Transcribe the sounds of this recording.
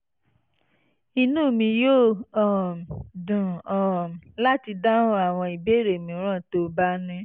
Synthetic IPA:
i˧nũː˦˨mĩ˧joː˦˨ɔ˨dũ˨ɔ˨la˦ti˧dã˦a˨w̃ɔ̃˧i˨be˦ɾe˨mĩ˨˦ɾ̃ã˦˨to˧˦ba˦nĩ˦

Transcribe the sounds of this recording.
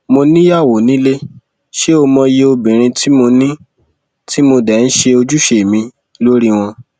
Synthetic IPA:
mo˧nĩ˦ja˦˨wo˨˦nĩ˦le˦ | ʃe˦o˧mɔ̃˧je˧o˧bĩ˨ɾ̃ĩ˧tʰi˦mo˧nĩ˦ | ti˦mo˧dɛ˨n̩˦ʃe˧o˧d͡ʒu˦ʃe˨mĩ˧ | lo˦ɾi˦w̃ɔ̃˧

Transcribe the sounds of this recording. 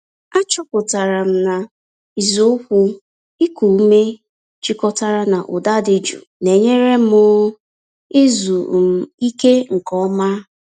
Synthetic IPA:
a˦t͡ʃɔ˦pʊ˨ta˨ɾa˨m̩˦na˨ | i˨zo˦kʷʊ˦ | ɪ˦ku˨˦me˦ | t͡ʃi˦kɔ˦ta˦ɾa˦na˨ʔʊ˨da˦dɪ˨d͡ʒṵ˨ne˨ɲe˦ɾe˦mʊ˦ | ɪ˦zu˨m̩˦˨i˦ke˦ŋ̩˨kɔ˦ma˦

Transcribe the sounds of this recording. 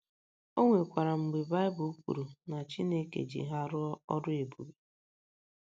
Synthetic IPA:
o˦ŋʷe˨kʷa˨ɾa˨ŋ͡m̩˨ɡ͡be˨ba˦ɪ˦bʊ˨u˦kʷṵ˨ɾu˨na˨t͡ʃi˦ne˦kḛ˨d͡ʒḭ˨ɦa˦ɾʊ˦ɔ˦ɔ̰˦dʊ˦e˨bṵ˨bi˨˦

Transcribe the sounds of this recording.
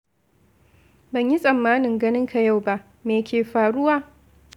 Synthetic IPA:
bɐ˨ɲji˦sʼɐ˨mːaː˦nɪ˨ŋɡɐ˦nɪ˦ŋkʰa˨ja˦˨wba˦ʔ | meː˨kʲeː˨ɸaː˨ɽʊ˦waː˦

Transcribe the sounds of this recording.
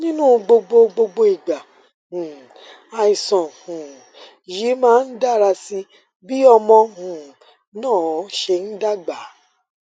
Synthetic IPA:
nĩ˦nũ˦ɡ͡bo˧ɡ͡bo˧ɡ͡bo˧ɡ͡bo˧i˨ɡ͡ba˨ | hũ˨ | a˧i˨sɔ̃˨hũ˨ | ji˨˦mãː˦n̩˦da˦˨ɾa˧si˧ | bi˦ɔ˧mɔ̃˧hũ˨ | nãː˦˨˦ʃe˧n̩˦da˦ɡ͡ba˨˦

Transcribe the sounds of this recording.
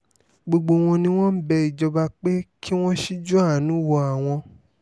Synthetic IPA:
ɡ͡bo˧ɡ͡bo˧w̃ɔ̃˧nĩ˧w̃ɔ̃˦m̩˦bɛ˧i˨d͡ʒɔ˧ba˧k͡pe˦kʰi˦w̃ɔ̃˦ʃi˦d͡ʒɔ˦a˦˨nũ˨˦wɔ˧a˨w̃ɔ̃˧

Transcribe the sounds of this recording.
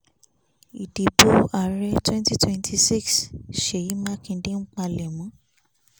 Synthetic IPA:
i˨di˨bo˦a˦˨ɾɛ˦twɛ̃˦nti˦twɛ̃˦ntʰi˧si˦˨ksʃe˨ji˨˦mã˦kĩ˧˦dẽ˦ŋ͡m̩˦k͡pa˧lɛ˨mɔ̃˨˦

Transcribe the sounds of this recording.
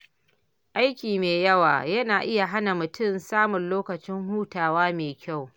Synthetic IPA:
ʔa˦jkʲiː˨meː˨jɐ˦wa̰ː˨jɐ˦naː˨ʔɪ˦ja˨ɦa˦na˨mʊ˨tʊ˦˨nsaː˦mʊ˨nloː˦kɐ˨t͡ʃɪ˦ŋɦuː˦taː˨waː˦meː˨kʲa˦˨w

